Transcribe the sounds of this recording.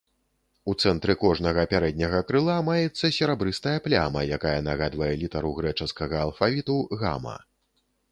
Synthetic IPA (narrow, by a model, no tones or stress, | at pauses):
ut̪sɛnt̪ɾɨkɔʐnɐɣɐpʲaɾɛd̪̚ʲnʲɐɣɐkɾɨlˠamajɛt̪sːɐsʲɛɾabɾɨst̪ɐjɐplʲamɐjakajɐnaɣad̪vɐjɛlʲit̪ɐɾuɣɾɛt͡ʂɐskɐɣɐːlˠfavʲit̪uɣa̰mɐ̰